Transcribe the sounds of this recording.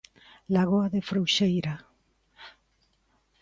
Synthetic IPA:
laɣoaðefɾowʃejɾa

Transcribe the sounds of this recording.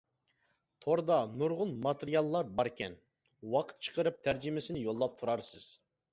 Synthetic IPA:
t̪ʰoɾd̪ɑnʊɾʁʊnmɑt̪ʰeɾijɑlˠːɑɾbɑɾekʲʰɛ̰n | wɑqʰə̥t̪̚t͡ʃʰə̥qʰəɾɨp̚t̪ʰæɾd͡ʒɪmɪsɪnɪjolˠːɑp̚t̪ʰuɾɑɾsɪz̥

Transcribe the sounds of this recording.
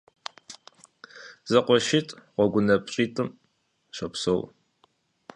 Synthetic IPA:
zɐqʷɔʃɪtʼʁʷɔɡʷʊnɐpʼɕʼiːtʼɨm | ɕɐpso̰w

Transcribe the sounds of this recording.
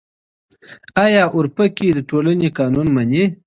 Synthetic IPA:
ajɑʔʊɾpəkid̪əʈolanekɑːnunmane

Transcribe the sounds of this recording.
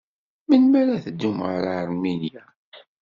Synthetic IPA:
mənmæɾæθəd̪ːumʁa̰ɾaəɾˤminjæ

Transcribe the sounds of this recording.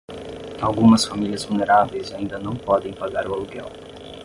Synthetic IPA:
awɡũmɐsfamiliɐzvulneɾavejzaĩnd̪ɐnɐ̃w̃pɔd̪ẽj̃paɡaɾʊaluɡɛ̰w

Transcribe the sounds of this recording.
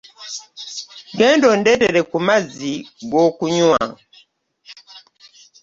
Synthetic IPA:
ɡɛndɔndɛtɛɾɛkumaziɡɔkuɲua̰

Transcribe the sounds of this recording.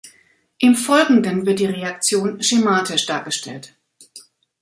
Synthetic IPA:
ʔɪmfɔlɡŋ̩dənvɪɐt̚d̥iːʁeakt͡sjoːnʃemaːtʰɪʃd̥aːɐɡəʃtʰɛ̰lt

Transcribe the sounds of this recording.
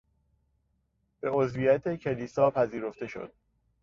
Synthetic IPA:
b̥e̞ozvijæt̪ʰecʰe̞liːsɒːpʰæziːɾo̞ft̪e̞ʃo̰d̪̥

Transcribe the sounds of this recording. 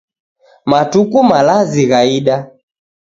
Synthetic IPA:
matukumalaziɣaiɗa

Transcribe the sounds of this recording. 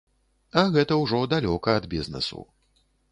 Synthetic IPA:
ɐɣɛt̪ɐwʐɔd̪alʲɔkɐːd̪bʲiznɛ̰sṵ

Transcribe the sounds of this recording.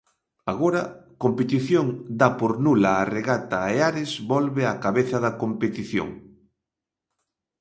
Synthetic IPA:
aɣoɾɐkompet̪iθjoŋd̪apoɾnulaːreɣat̪aeaɾɪzβɔlβeakaβeθɐðɐkompet̪iθjo̰ŋ

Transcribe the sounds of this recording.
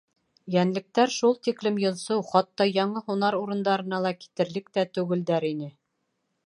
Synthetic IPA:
jænlɘ̆k̚t̪æɾʃulˠt̪iklɘmjŏnsɤwχɑt̪ːɑjɑɴɤhunɑɾuɾɤ̆nd̪ɑɾɤ̆nɑlˠɑki̥t̪ɘ̆ɾlɘk̚t̪æt̪ʉɡɘ̆ld̪æɾinɘ

